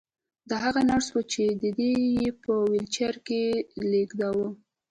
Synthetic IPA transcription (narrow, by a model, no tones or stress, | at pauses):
d̪aɦaɣanaɽswət͡ʃed̪əd̪ejepəwɪlt͡ʃaɾkeleɡd̪awə